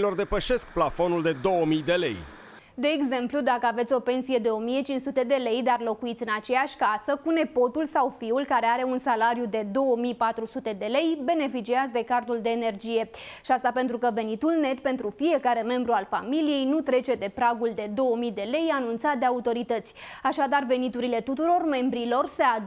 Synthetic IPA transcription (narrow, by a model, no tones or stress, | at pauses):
lo̞rd̪e̞pəʃe̞sk̚plafo̞nuld̪e̞d̪o̞wəmijd̪e̞le̞̰j | d̪e̞ːɡze̞mplud̪akəave̞t̪sʲo̞pe̞nsije̞d̪e̞o̞mije̞t͡ʃint͡ʃsut̪e̞d̪e̞le̞jd̪arlo̞kuit̪sʲɨnat͡ʃe̞jaʃʲkasəkune̞po̞t̪ulsawfiulkaɾe̞aɾe̞unsalaɾjud̪e̞d̪o̞wəmijpat̪ɾusut̪e̞d̪e̞le̞jbe̞ne̞fit͡ʃiazd̪e̞kart̪uld̪e̞ːne̞rd͡ʒije̞ʃiast̪ape̞nt̪ɾukəve̞nit̪ulne̞t̪pe̞nt̪ɾufije̞kaɾe̞me̞mbɾualfa̰milije̞jnut̪ɾe̞t͡ʃe̞d̪e̞pɾaɡuld̪e̞d̪o̞wəmid̪e̞le̞janunt̪sat̪̚d̪e̞aut̪o̞ɾit̪ət̪sʲ | aʃad̪arve̞nit̪uɾile̞t̪ut̪uɾo̞rme̞mbɾilo̞rsea